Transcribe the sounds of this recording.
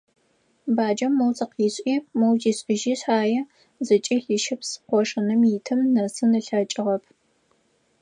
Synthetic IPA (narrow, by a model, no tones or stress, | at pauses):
baːd͡ʒɐmːɐwt͡sʼɐqiːɕʼiːmɐwd͡ʒiːɕʼɪʒiːɕaːjɛ | zɨt͡ʃʼiːɬiʃɪpsqʷɔʂɨnɨmjitʰɨmnɐsɨnɨɬɐt͡ʃʼɪʁɐpʰ